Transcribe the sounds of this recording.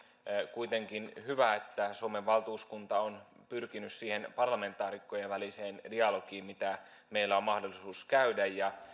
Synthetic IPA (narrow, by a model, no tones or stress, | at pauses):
kuit̪e̞ŋkinhyʋæet̪ːæsomeʋːɑlt̪uːskunt̪ɑon | pyrkinyssiːhenpɑrlɑme̞nt̪ːˑɑːɾikːojeʋʋæliseːndiɑlokiːmmit̪æ | meilːæommɑhdolːˑisuːskæydæjjɑ